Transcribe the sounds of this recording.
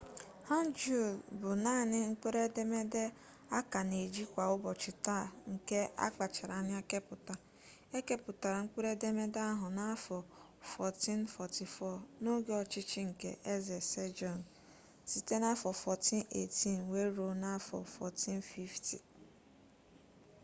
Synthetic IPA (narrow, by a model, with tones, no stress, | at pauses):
ha˦n˦d͡ʒu˨bʊ˨na˦˨nɪ˦ŋ̩˦k͡pe˦ɾe˦de˦me˦de˦ | a˦ka˨ne˨d͡ʒi˦kʷa˨ʊ˦bɔ˨t͡ʃɪ˨ta˦˨ŋ̩˨ke˦a̰˦k͡pa˨t͡ʃa˨ɾa˨˦nɪ˦a˦ke˦pʊ˨ta˨ | e˦ke˦pʊ˨ta˨ɾa˨ŋ̩˦k͡pe˦ɾe˦de˦me˦da˦ɦʊ˨na˦fɔ˨ | fɔ˨ti˦nfɔ˨ti˨fɔ˦˨no˦ɡe˦ɔ˨t͡ʃɪ˦t͡ʃɪ˦ŋ̩˨ke˦ʔe˦ze˨se˦d͡ʒɔ˨n˨ | si˨te˦na˦fɔ˨fɔ˨tʰi˦nḛ˨tʰi˦nwe˦ɾo˨na˦fɔ̰˨fɔ˨ti˦n˦fi˦ftḭ˨